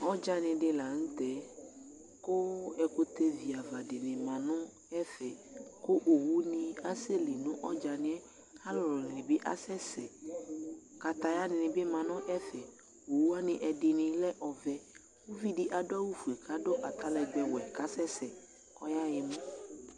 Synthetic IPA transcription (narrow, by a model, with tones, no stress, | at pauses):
ɔ˦d͡ʒa˦nɪ̃˨ɖɪ˨la˨ŋ̩˦t̪ɛ˨ | ko˦ɛ˨ko˦t̪e˦vi˨a˨va˨dɪ˨nɪ̃˨mã˨nʊ̃˦ | ɛ˦fɛ˨ko˦ʔo˨wu˦nĩ˨a˦se˦li˨nũ˦ʔɔ˦d͡ʒa˨nɪ̃˨ɛ˦ | ha˦lɔ˨lɔ˨nɪ̃˨nɪ̃˨bɪ˦ʔa̰˦sɛ˦sɛ˨ | ka˨t̪a˨ja˦nɪ̃˨nɪ̃˨bɪ˦mã˨nʊ̃˦ʔɛ˦fɛ˨ | o˨wu˦a˦nɪ̃˨ʔɛ˨dɪ˨nɪ̃˨lɛ˦ʔɔ˨vɛ˦ | wo˦vi˦dɪ˨ʔa˨dʊ˦a˦wu˦fu˨e˨kʰa˦do˦ʔa˨t̪a˦lɛ˨ɡ͡bɛ˨wɛ˨ka˦sɛ˦sɛ˨ | ɔ˦ja˦jɛ˨mɔ̃˦